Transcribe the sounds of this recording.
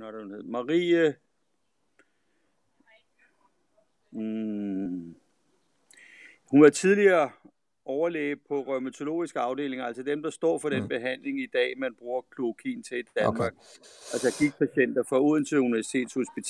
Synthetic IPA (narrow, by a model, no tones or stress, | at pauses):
nɾeunhe̝ðˠmɑ̈ʁḭːə | hunʋɑt͡sʰiðˠliɐː | ɒʊɐlḛ̥ːpʰɒ̽ʁœmæt͡sʰo̝lo̝̰ːisɡ̥əɑ̈ʊd̥e̝̰ːle̝ŋɐælsəd̥emd̥ɑ̈sd̥ɒ̰ːfɒ̽ɾ̥enb̥e̝ɦæn̰le̝ŋid̥ɛ̰ːmænb̥ʁuːɐkʰlo̝kʰḭːn̩t͡sʰe̝d̥æmɑ̈ːɡ̥̚ælsəɡ̥iɡ̥̚pʰæɕen̰d̥ɐfɒuð̰ˠənt͡sʰe̝luniʋæɐsi̥t͡sʰe̝̰ːd̥sho̝sb̥it͡sʰ